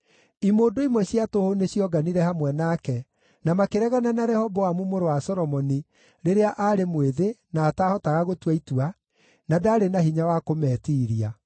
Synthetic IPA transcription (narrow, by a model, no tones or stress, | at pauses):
imoːdoimwɛɕjatohoneɕjɔɡaniɾɛhamwɛnakɛ | namakeɾɛɣananaɾɛhɔbɔwamumoɾowasɔɾɔmɔni | ɾeɾeaʔaɾemweðenaːtahɔtaɣaɣotwaitua | nadaːɾenahiɲawakomɛtiːɾia